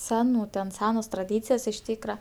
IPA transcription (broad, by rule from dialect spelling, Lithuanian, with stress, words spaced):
ˈsʲæːnuː tʲɛn ˈsʲæːnoːs trɐˈdʲiːt͡sʲɪjoːs ɪʃ ˈtʲiːkrɐ